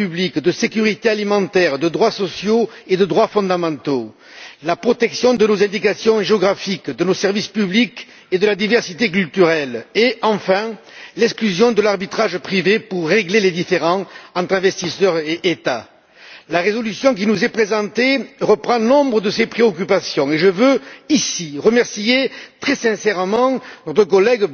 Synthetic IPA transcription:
yblikd̪əsekyʁit̪ealimɑ̃t̪ɛʁd̪əd̪ʁwasɔsjoed̪əd̪ʁwafɔ̃d̪amɑ̃t̪o | lapχɔt̪ɛksjɔ̃d̪ənozɛ̃nd̪ikasjɔ̃ʒeɔɡʁafikd̪ənosɛʁvispyblik | ed̪əlad̪ivɛʁsit̪ek̬ylt̪yʁɛleʔɑ̃fɛ̃ | lɛksklyzjɔ̃d̪əlaʁbit̪χaʒpχivepuʁːeɡleled̪ifeʁɑ̃ɑ̃t̪χɛ̃vɛst̪isœʁeʔːt̪a | laʁezɔlysjɔ̃k̬inuzɛpχezɑ̃t̪eʁəpχɑ̃nɔ̃bʁəd̪əsepχeɔk̬ypasjɔ̃eʒəvøisiʁəmɛʁsijet̪χɛsɛ̃sɛʁmɑ̃nɔt̪χək̬ɔlɛɡ

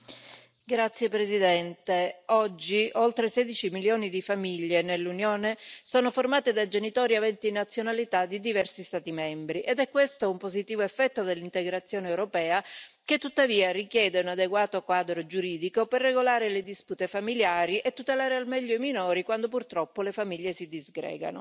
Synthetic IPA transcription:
ɡɾat̪sːjepɾezid̪ɛnt̪eɔd͡ʒːiolt̪ɾesɛd̪it͡ʃimiljoːnid̪ifamiʎːenelːunjoːnesoːnoformaːt̪ed̪ad͡ʒenit̪ɔːɾiavɛnt̪inat̪sːjonalit̪ad̪ːid̪ivɛrsist̪aːt̪imɛmbɾiʔed̪ɛkːwest̪oumpozit̪iːvoefːɛt̪ːod̪elːint̪eɡɾat̪sːjoːneːwɾopɛːa | ket̪ːut̪ːaviːarikjɛːd̪eunad̪eɡwaːt̪okwaːd̪ɾod͡ʒuɾiːd̪ikoperːeɡolaːɾeled̪isput̪efamiljaːɾiʔet̪ːut̪elaːɾealmɛʎːoiminɔːɾikwand̪op̬urt̪ɾɔpːolefamiʎːesid̪izɡɾɛ̰ːɡa̰no̰

